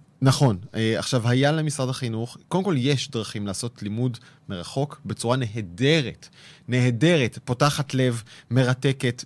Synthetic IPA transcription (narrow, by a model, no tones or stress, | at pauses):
naχo̞nea̰χʃavhajalemisʁadaχinuχkodemko̞ljeʃdʁaχimlaːso̞tlimud | me̞ʁaχo̞kbe̞t͡suʁane̞ɦede̞ʁetne̞hede̞ʁetpo̞taχatle̞vme̞ʁate̞ke̞t